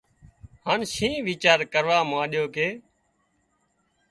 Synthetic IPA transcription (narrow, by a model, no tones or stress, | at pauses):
haːnʃĩːʋiːt͡ʃaːɾkəɾʋaːmãːɗjoːkeː